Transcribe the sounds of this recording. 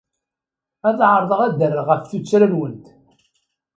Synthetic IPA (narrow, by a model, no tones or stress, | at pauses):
æðʕəɾˤðˤəʁæd̪ərːəʁəfθut͡sːɾænwənt̪